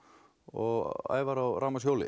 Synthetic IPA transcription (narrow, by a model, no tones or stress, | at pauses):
ɔɣa̰ːjvaɾawɾaːmasjowlɪ̰